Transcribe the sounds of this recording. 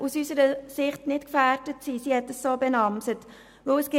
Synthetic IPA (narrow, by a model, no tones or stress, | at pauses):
usysəɾəsɪχtnɪtkfæːrd̥ətsisihɛtdəssoːbɛnɑmsət | ʋɵwəsɡ̥ɪ